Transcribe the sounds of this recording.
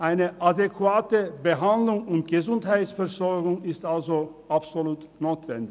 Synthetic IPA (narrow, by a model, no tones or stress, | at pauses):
ʔaɪnəʔadekʰvaːtəbəɦandlʊŋʊntɡ̥əzʊnthaɪtsfɛɐzɔɐɡʊŋɪstʔalzoʔapz̥oluːt | noːtv̥ɛ̰ndɪç